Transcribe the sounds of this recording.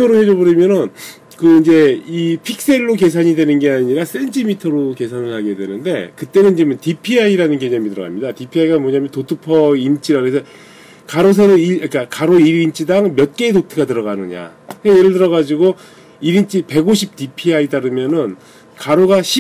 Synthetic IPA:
ʌɾohe̞d͡ʑʌbɯɾimjʌnɯn | kɯind͡ʑe̞ipʰik̚s͈e̞ɭːoke̞sʰaɲidwe̞nɯnɡe̞aɲiɾas͈e̞ntʰimitʰʌɾoke̞sʰanɯɭhaɡedwe̞nɯnde̞̰kɯt͈e̞nɯnt͡ɕimɯntipʰiaiɾanɯnkeɲʌmitɯɾʌɣa̰mɲidatipʰiaiɡamwʌɲaːmjʌntotʰɯpʰʌint͡ɕ͈iɾakɯɾesʰʌ | kaɾos̬ʰeɾɯiak͈akaɾoiɾint͡ɕ͈idaŋmjʌt̚k͈e̞dotʰɯɡatɯɾʌɣanɯɲa̰eje̞ɾɯɭtɯɾʌɣad͡ʑiɡo | iɾint͡ɕ͈ipe̞ɡoɕʰip̚t͈ipʰiaitaɾɯmjʌnɯn | kaɾoɡaɕʰi

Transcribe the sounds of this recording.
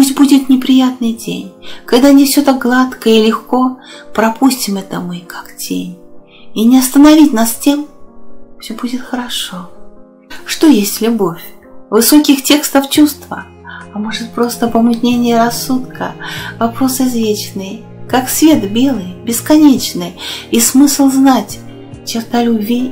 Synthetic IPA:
pusʲt̚ʲbudʲɪt̪nʲɪpɾʲɪjat̪nɨjtʲḛnʲkɐɡd̪anʲɪfsʲot̪ak̚ɡlˠat̪kəilʲɪxko̞pɾɐpusʲtʲɪmɛt̪əmɨkaktʲḛnʲ | inʲɪɐst̪ənɐvʲit̚ʲnastʲe̞m | fsʲɵbudʲɪt̪xəɾɐʂo̞ | ʂt̪o̞jesʲtʲlʲʊbo̞fʲvɨso̞kʲɪxtʲe̞kst̪əft͡ɕust̪və̰ | ɐmo̞ʐɨt̪̚pɾo̞st̪əpəmɨt̪ʲnʲenʲɪjəɾɐsːut̪kʰə̰vɐpɾo̞sɨzvʲet͡ɕnɨj | kaksvʲe̞t̪bʲe̞lˠɨjbʲɪskɐnʲet͡ɕnɨjismɨslˠznatʲ | t͡ɕɪrt̪alʲʊbʲvʲi

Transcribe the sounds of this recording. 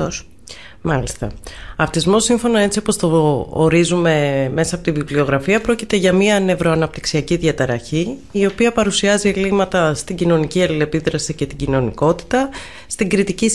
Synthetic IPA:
mɐlist̪ɐ̰ɐft̪izmo̞siɱfo̞nɐe̞t͡siopo̞st̪o̞oɾizume̞me̞sɐpo̞t̪iviplio̞ɣɾɐfiɐpɾo̞cit̪e̞ʝɐmiɐne̞vɾo̞ɐnɐp̚t̪i̥ksiɐciðʝɐt̪ɐɾɐçi | io̞piɐpɐɾusiɐzie̞limɐt̪ɐst̪iɟino̞niciɐlile̞piðɾɐsice̞t̪iɟino̞niko̞t̪i̥t̪ɐ | st̪iɡɾit̪ici

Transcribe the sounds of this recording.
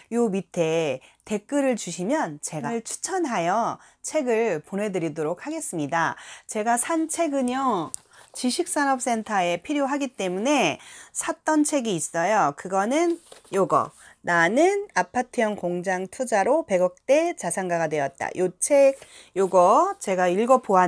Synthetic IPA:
jomitʰe̞te̞k͈ɯɾɯɭt͡ɕuɕʰimjʌnt͡ɕe̞ɡaɭt͡ɕʰu̥t͡ɕʰʌnɦajʌ | t͡ɕʰe̞ɡɯɭponɦe̞dɯɾidoɾok̚ʰhaɡe̞s͈ɯmɲidat͡ɕe̞ɡasʰant͡ɕʰe̞ɡɯɲʌ | t͡ɕiɕʰik̚s͈anʌp̚s͈e̞ntʰae̞pʰiɾjoɦaɡit͈e̞mune̞sʰat͈ʌnt͡ɕʰe̞ɡiːs͈ʌjokɯɡʌnɯnjoɡʌ̰ | nanɯnapʰatʰijʌnkoŋd͡ʑaŋtʰud͡ʑaɾope̞ɡʌk̚t͈e̞t͡ɕasʰaŋɡaɡadwe̞jʌt̚t͈a̰jot͡ɕʰe̞ɡ | joɡʌt͡ɕe̞ɡaiɭɡʌpoɦa

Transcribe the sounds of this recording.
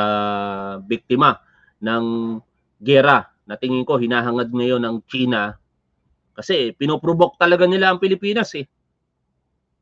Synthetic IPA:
bɪk̚t̪ɪma | nɐŋ | ɡɛɾa | nɐt̪ɪŋɪŋko̞hɪnaːɦɐŋad̪̚ŋɐjo̞nɐŋt͡ʃiːnɐ | kɐsɛpɪnopɾobok̚t̪ɐlɐɡanɪlaʔɐŋpɪlɪpiːnɐsɛ

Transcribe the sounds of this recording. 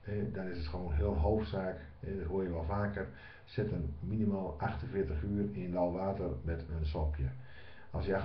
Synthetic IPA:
hɛdɔnɪsətxəʋoːnɦɪəlˠnɦoːftsaːk | ɛdɔtɦoəjəʋɔlˠfaːkər | sɪtənminimaːlˠʔaxtənfɪətəxyərinlawʋaːtərmɛtənsɔpʰjə | ɔ̰sjəa

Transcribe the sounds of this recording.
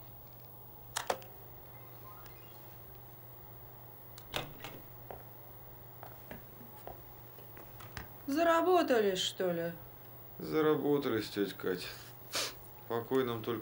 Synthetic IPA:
zəɾabot̪əlʲɪʂt̪olʲɪ | zəɾabot̪əlʲɪsʲtʲotʲkatʲ | pɐkojnəmt̪olʲ

